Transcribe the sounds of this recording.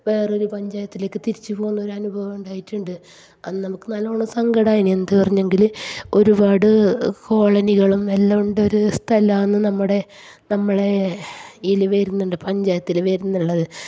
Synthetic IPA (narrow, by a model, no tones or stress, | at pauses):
ʋe̞ːro̞ɾupɐɲd͡ʑaːjɐt̪ːile̞ːkːɨt̪iɾit͡ɕːɨpo̞ːɣunːo̞ɾuɐnubʱɐʋɐmuɳɖaːjiʈːuɳɖɨ | ɐðɨnɐmukːɨnaːloːɭːusɐŋɡɐɽaːjiɳiend̪ɨpɐrɐɲːe̞ŋɡilo̞ɾubaːɽɨko̞ːɭɐniɣɐɭumelːɐuɳɖo̞ɾust̪ʰɐlɐenːɨnɐmːuɽe̞ | nɐmːɐɭe | ilʋeːɾunːuɳɖɨpɐɲd͡ʑaːjɐt̪ːilʋeːɾunːuɭːɐðɨ